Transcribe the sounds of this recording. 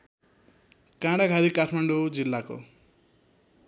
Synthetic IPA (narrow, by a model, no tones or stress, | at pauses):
kãɽaɡʱaɾikaʈʰmaɳɖod͡zilːako̰